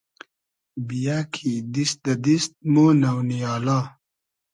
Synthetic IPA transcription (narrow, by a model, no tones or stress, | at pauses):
bijakʰid̪isd̪ɐd̪ist̪̚moːnɐwnijɑːla